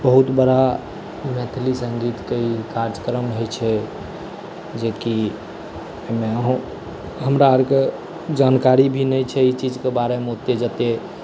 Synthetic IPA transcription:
bəɦut̪bəɽa | met̪ʰlisəŋɡit̪keikaɾd͡ʒəkɾəmɦojt͡ʃʰɛ | d͡ʒeki | emeəɦũ | ɦəmɾaəɾke | d͡ʒankaɾibʱinəjt͡ʃʰɛit͡ʃid͡ʒkebaɾemot̪ed͡ʒət̪e

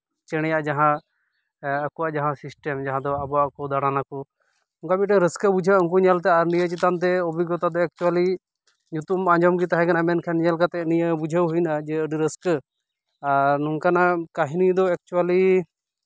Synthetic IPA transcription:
t͡ʃɛɽ̃ɛjaʔd͡ʒaɦã | əkuwaʔd͡ʒaɦãsisʈɛmd͡ʒaɦãd̪ɔabɔaʔkɔd̪aɽ̃anakɔ | nuŋkabit̪̚ʈɛɾəskəbud͡ʒʱəɔŋk̬uɲalt̪ɛaɾnijət͡ʃit̪ant̪̬ɛobiɡɔt̪ad̪ɔɛk̚t͡ʃuali | ɲut̪umaɲd͡ʒɔmɡit̪aɦɛ̃kʰanamɛnkʰɛnɲalkat̪ɛnijəbud͡ʒʱəwɦujnad͡ʒɛəɖiɾəskə | aɾnuŋkanakaɦinijəd̪ɔɛk̚t͡ʃuwali

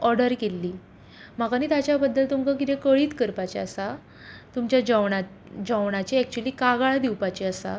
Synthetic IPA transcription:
ɔɾɖəɾkelːiː | m̤akaniːt̪at͡ɕjabəd̪ːəlt̪umkak̬it̪ẽkəɭiːt̪kəɾpat͡ɕeəsa | t̪umt͡ɕjad͡ʑəwɳa | d͡ʑəʋɳ̃at͡ɕeɛk̚t͡ɕuəliːkaɡaɭad̪iwpat͡ɕeəsa̰

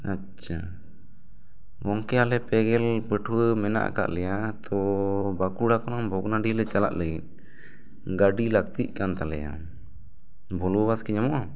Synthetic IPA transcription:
a | t͡ʃʰːa | ɡɔŋkɛalɛpɛɡɛlpəʈʰwəmɛna̰ʔa̰ka̰ʔlɛjat̪ʰɔbakuɽakɔnɔmbʱɔɡnaɖilɛt͡ʃala̰ʔləɡit̚ | ɡaɖilak̚t̪iʔ̚kant̪alɛja̰ | bʱɔlubaskiɲamɔʔa

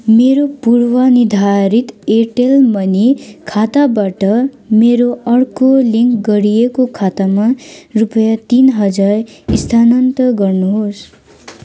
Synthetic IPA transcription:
meɾopuɽwʌnid̪ʱaɾit̪eʈelmʌnikʰat̪abaʈʌ | meɾoʌrkoliŋkɡʌɾijekokʰat̪amarupʌjat̪inɦʌd͡zarist̪ʰanʌnt̪ʌɡʌrnuɦos

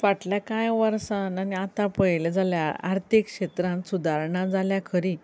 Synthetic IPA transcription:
ʋaʈljakãjʋəɾsananiat̪ãpəjled͡zaljaa̰ɾt̪ʰikɕet̪ɾãnsud̪ʱaɾɳãd͡zaljakʰəɾi

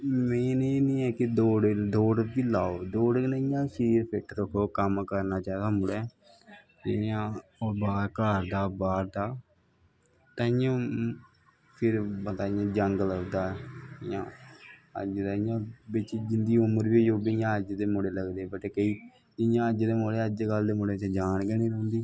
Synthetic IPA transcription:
mẽːneːnĩːɛːkɪd̪oːɽd̪oːɽt̪iːlaːoːd̪oːɖnɪjãːsiːɾpʰɪʈʰɾəkʰːoːkəmkəɾnaːt͡ʃaːd̪aːmʊɽɛː | tejãːobaːɾkaːɾd̪aːbaːɾd̪aː | t̪aːɪjãː | pʰɪɾbt̪aːɪjãːd͡ʒəŋɡləɡd̪aːɪjãːə̰d͡ʒd̪aːɪjãːbɪt͡ʃd͡ʒɪnd̪iːʊməɾbiːd͡ʒoːbɪjãːəd͡ʒd̪eːmʊɽeːləɡd̪eːbəʈeːkəiː | ɪjãːəd͡ʒd̪eːmoːɽeːəd͡ʒeɡəld̪eːmʊɽeːt͡ʃəd͡ʒaːnɡɛːniːɾə̃ːnd̪iː

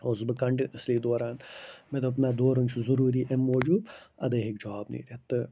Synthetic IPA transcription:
oːsbɨkɐɳɖiʔəsliːd̪oːɾaːnmed̪ɐpnaːd̪oːɾɐnt͡ʃʰuzuɾuːɾiːʔemːoːd͡ʒuːb̪ɐ̰d̪ɐɦikd͡ʒɐʋaːbnḭːɾʲiet̪ːɨ

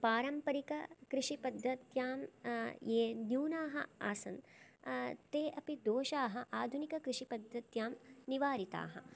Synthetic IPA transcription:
paːɾɐmpɐɾikɐkɾɪʂipɐd̪ʱːɐt̪jaːmjeːnjuːnaːɦɐ̰a̰ːsɐ̰n | t̪eːʔɐpid̪oːʃaːɦɐʔaːd̪ʱunikɐkɾɪʂipɐd̪ʱːɐt̪jaːmniʋaːɾit̪a̰ːɦɐ̰

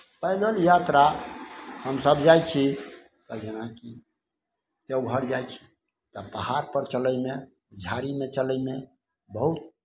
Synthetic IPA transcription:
pəjd̪əljat̪ɾa | həmsəbd͡ʒajt͡ʃʰi | t̪ɔd͡ʒenaki | t̪euɡʱəɽd͡ʒajt͡ʃʰi̥ | t̪ɔpəhaɾpəɾt͡ʃələjme | d͡ʒʱaɾimet͡ʃələjme | bəɦut̪̚

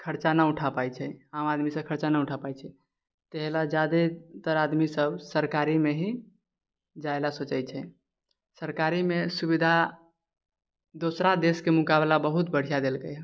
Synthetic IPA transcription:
kʰəɾt͡ʃanauʈʰapajt͡ʃʰɛamad̪misəb̚kʰəɾt͡ʃanauʈʰapajt͡ʃʰɛ | t̪eɦlad͡ʒad̪et̪əɾad̪misəbsəɾkaɾimeɦi | d͡ʒaelasot͡ʃəjt͡ʃʰɛ | səɾkaɾimesubid̪ʱa | d̪osɾad̪eskemukablabəɦut̪̚bəɽ̤ijad̪elkəj

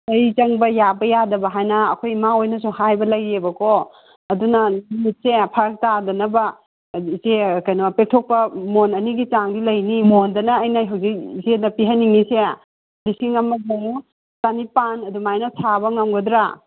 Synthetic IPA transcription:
ɐjt͡ʃɐŋbɐjabɐjadɐbɐɦajnɐ̰ːkʰojmaojnɐs̬uhajbɐlɐjebɐkʰo | ɐdunɐlimit̚sepʰaɾk̚tadɐnɐbɐ | izekɐjnpek̚tʰok̚pɐmonɐniɡit͡ʃaŋdilɐjnimondɐnɐːjnaɦawzik̚izedɐpiɦanːiŋise | lisiŋɐmɐɡaŋu | tanipanɐdumajnɐsʰaβɐŋɐmɡodɾa

